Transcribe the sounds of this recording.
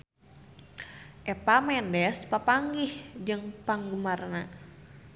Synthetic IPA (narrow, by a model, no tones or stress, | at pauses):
ʔɛpamɛndɛspapaŋɡihd͡ʒɨŋpaŋɡumarna